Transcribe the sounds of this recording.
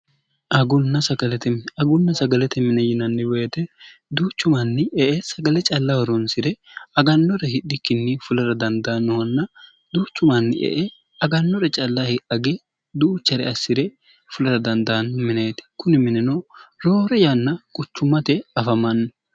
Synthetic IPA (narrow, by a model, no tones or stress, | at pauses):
ʔɐɡʊnːɐsɐɡɐlɛt̪ɛmɐɡʊnːɐsɐɡɐlɛt̪ɛmɪnɐjɪnɐnːɪwɛɛt̪ɛd̪uːt͡ʃːʊmɐnːɪɛʔɛsɐɡɐlɛt͡ʃʼɐlːɐhɔɾɔnsɪɾɛɐɡɐnːɔɾɛhɪɗːɪkːɪnːɪfʊlɐɾɐd̪ɐnd̪ɐnːɔwɐnːɐ | d̪uːt͡ʃːʊmɐnːɪ̰ʔɛ̰ʔɛ | ɐɡɐnːɔɾɛt͡ʃʼɐlːahɪʔɐɡɛ | d̪uːt͡ʃːɐɾɛ̰ɐsːɪɾɛ | fʊlɐɾɐd̪ɐnd̪ɐnːɔmɪnɐjt̪ɛ̥kʊnɪmɪnɛnoɾoːɾɛjanːɐkʼʊt͡ʃːʊmːɐt̪ɛɐfɐmɐnːɔ